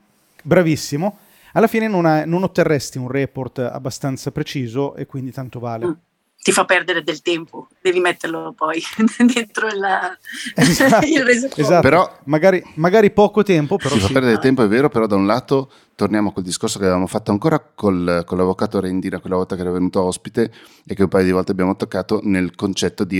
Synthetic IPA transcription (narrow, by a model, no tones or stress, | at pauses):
bɾavisːimo | alːafiːnenonanonot̪ːerːɛst̪iunrɛport̪a̰bːast̪ant̪sapɾet͡ʃiːzoʔḛkːwind̪it̪ant̪ovaːle | t̪ifapːɛrd̪eɾed̪elt̪ɛmpod̪ɛːvimɛt̪ːeɾlopɔjd̪ent̪ɾola | zailrezezapeɾɔmaɡaːɾimaɡaːɾipɔːkot̪ɛmpopeɾɔifapɛɾd̪eɾedet̪ɛmpoɛvːeːɾopeɾɔd̪aunlaːt̪o | t̪ornjaːmoakweld̪iskorsokeavevamofat̪ːoaŋkoːɾakolkolːavːokaːt̪oɾend̪iːnakwelːavɔlt̪akeɛɾavenuːt̪oaɔspit̪e | ekːeumpaːjod̪ivɔlt̪eabjaːmot̪okːaːt̪onelkont͡ʃɛt̪ːod̪i